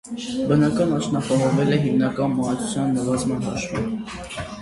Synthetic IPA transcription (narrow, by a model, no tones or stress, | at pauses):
bənɑkɑnɑt͡ʃnɑpɑɦɔvɛlɛɦimnɑkɑnmɑnɑt͡sʰu̥t͡sʰjɑnːəvɑzmɑnɦɑ̰ʃvḭn